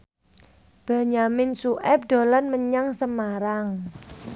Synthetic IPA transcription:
b̥ä̤ɲamɪnsuʔɛp̚ɖ̥o̤lanməɲaŋsəmaɾaŋ

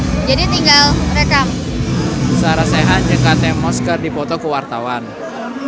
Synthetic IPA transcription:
d͡ʒadit̪iŋɡalməɾekam | saɾaseɦaɲəkat̪ɛmɔskərdipɔt̪ɔkəwart̪awan

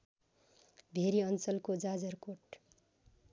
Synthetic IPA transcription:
bʱeɾiʌnt͡sʌlkod͡zad͡zʌrkoʈ

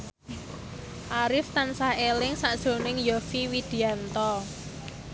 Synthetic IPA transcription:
ʔaɾɪft̪ansahelɪŋsaʔd̥ʒ̥o̤nɪŋjofiwid̪̥i̤ant̪ɔ

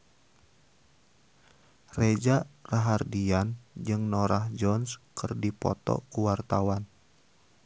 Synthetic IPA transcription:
red͡ʒaraɦardiand͡ʒɨŋnoɾahd͡ʒɔnskɨrdipɔ̰t̪ɔ̰kuwart̪awan

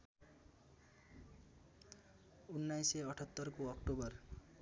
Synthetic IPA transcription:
unːajseʌʈʰʌt̪ːʌɾkoʌkʈobʌr

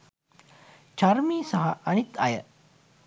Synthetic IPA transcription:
t͡ʃɐɾmiːsɐɦɐʔɐnit̪ɐjɐ̰

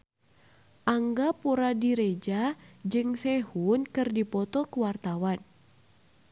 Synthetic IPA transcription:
ʔaŋɡapuɾadiɾed͡ʒad͡ʒɨŋsɛhunkɨrdipɔt̪ɔkuwart̪awan

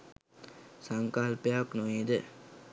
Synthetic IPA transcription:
saŋkaːlpeaknuʋeːd̪ə

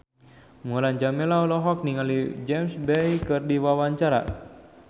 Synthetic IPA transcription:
ŋuland͡ʒamɛlaulɔɦɔk̚niŋalid͡ʒɛmsbɛjkɨrdiwawaɲt͡ʃaɾa̰

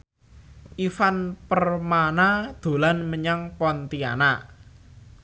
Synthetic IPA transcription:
ʔifanpərmanad̪̥o̤lanməɲaŋpɔnt̪ia̰naʔ

